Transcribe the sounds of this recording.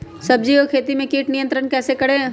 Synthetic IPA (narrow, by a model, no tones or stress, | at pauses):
sɐb̚d͡ʒiokʰeːt̪imẽkiːʈnijə̃nt̪ɾənkɛːsekɐɽẽː